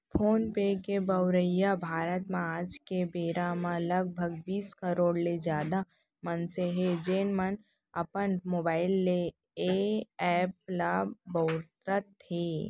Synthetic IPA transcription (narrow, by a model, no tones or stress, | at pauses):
pʰoːnpekebəʊɾəjabʱaːɾət̪mẽaːd͡ʒkebeːɾamãləɡ̚bʱəɡbiːskəɾoːɽled͡ʒjaːd̪a | mənseɦed͡ʒeːnmən | ɐpənmoːbaːɪlːe | ɛːp̚labɐʊɾt̪ɾət̪ʰːeː